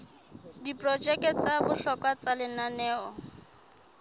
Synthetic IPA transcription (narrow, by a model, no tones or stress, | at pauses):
dipʼrɔd͡ʒɛkt͡sabʊɬɔkʼwat͡salɪnanɛːɔ